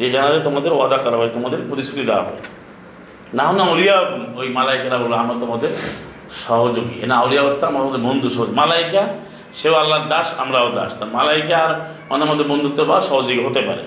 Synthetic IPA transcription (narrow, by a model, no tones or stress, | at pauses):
d͡ʑed͡ʑanad̪et̪omad̪eɾwad̪akɔɾabaeet̪omad̪eɾpot̪ist̪ɾit̪id̪ɛwa̰ɦɔ̰jḛ̥ | naɦonaolijanojmalaikaɾabɾbaamat̪ɔmad̪ʱe | ʃɔɦod͡ʒoɡḭḛnaolijaot̪ːaamaɾmɔd̪eɾbond̪uʃɔɦod͡ʒoɡimalajka | ʃewalːaɾd̪aʃa̰mɾaod̪a̰ʃt̪amalaikaɾamad̪eɾmad̪ːeɾbond̪ut̪ːobaɾʃɔɦod͡ʒoɡiɦot̪epa̰ɾḛ